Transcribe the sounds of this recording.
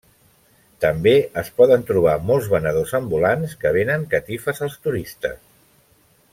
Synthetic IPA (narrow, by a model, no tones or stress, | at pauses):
t̪əmbeəspɔðənt̪ɾuβ̞amɔlˠzβənəðozəmbulanskəβ̞enəŋkət̪ifəzəlˠst̪uɾist̪ə̰s